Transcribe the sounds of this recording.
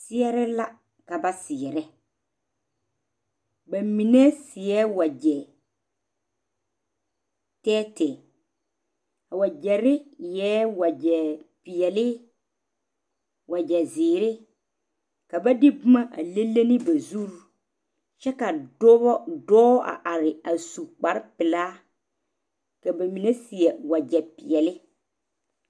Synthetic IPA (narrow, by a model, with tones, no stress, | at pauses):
sɪ˦ɛ˦ɾɪ˦la˦ | ka˨ba˦sɪ˨ɛ˨ɾɛ˦ | ba˨mi˨nɛ˦sɪ˨ɛ˦wa˨d͡ʒɛ˨ | tɛː˦tɛ˨ | a˨wa˨d͡ʒɛ˨ɾɪ˦jɛː˦wa˨d͡ʒɛ˨pɪ˨jɛ˨lɪ˦ | wa˨d͡ʒɛ˨zɪː˨ɾɪ˦ | ka˨ba˦dɪ˦bʊ˦ma˦ʔa˨le˦lːe˦nɪ˦ba˨zu˦ɾ | t͡ʃɛ˦ka˨dɔ˦bɔ˦dɔː˦ʔa̰˨ʔa˨ɾɪ˨a˨su˨k͡pa˨ɾɪ˦pɪ˨laː˦ | ka˨ba˨mi˨ne˦si˨ɛ˨wa˨d͡ʒɛ˨pɪ˨ɛ˨lɪ˦